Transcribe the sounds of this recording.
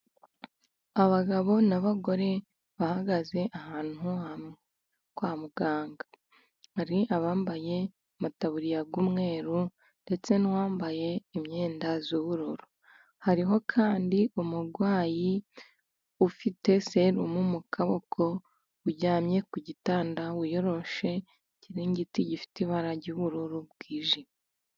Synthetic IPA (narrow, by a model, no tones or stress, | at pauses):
aβaɡaβo̞naβaɡo̞ɾe̞ | βahaɡaze̞ʔahaːn̥uam | kwaːmuɡ̥aːŋɡa | haɾiʔaβaːmbaje̞ | mutaβuɾijaɡwuːmŋe̞ːɾu | nde̞t͡se̞nwaːmbaje̞imɲe̞ːndazuβuɾoɾo | haɾiɦo̞kʰaːndiʔumuɾɡwaːji | ufite̞seɾumumukʰaβokʰo̞ | uɟaːmɲe̞kuɟitaːndawujo̞ɾo̞ʃe̞ | ciɾiɲɟitiɟifi̥tiβaɾaɾɟuβuɾuɾubɡ̥iːʒi